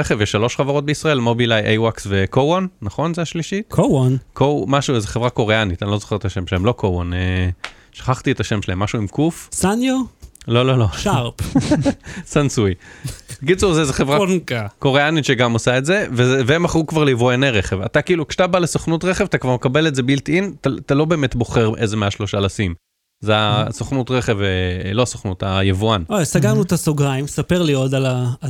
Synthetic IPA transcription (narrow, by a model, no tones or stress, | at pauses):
eχevjeʃalo̞ʃχavaʁot̚beisʁae̞lmobilajʔejwaksvekowonːaχo̞nzeaʃliʃitkʰowonkomaʃuzeχevʁako̞ʁeanit̪anilo̞zo̥χe̞et̪aʃemʃelaemlo̞kowone | ʃḁχaχt̪ietaʃemʃelaemaʃuimkufsanjolo̞lo̞lo̞ʃaʁp | sansujkit͡suʁzezeχevʁankakoʁeanitʃeɡamosaetze̞veveemaχʁukvaʁleivojaneʁeχevatakiːlukʃe̥atabalesoχnutʁeχevatakvaʁmekabe̞leze̞biltintatalo̞beːmetbo̞χeʁʔezemeaʃloʃaalasim | zeasoχnutʁeχe̞velo̞soχnutajevuanojsaɡaʁnuet̪asoɡʁaimsapeʁliod̪ala